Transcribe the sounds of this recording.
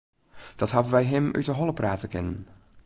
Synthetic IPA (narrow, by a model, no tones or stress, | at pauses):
d̥ɑtɦɑdənʋɛjɦɪmʔy̰tdəɦɔləpraːtəkɪnən